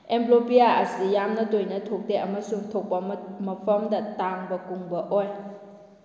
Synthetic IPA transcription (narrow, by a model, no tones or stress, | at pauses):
ʔɛmplopiaʔɐsijamnɐtojnɐtʰok̚dɛʔɐmasuŋt̪ʰok̚bammɐpʰɔmdɐtaŋbɐkuŋbɐʔɔj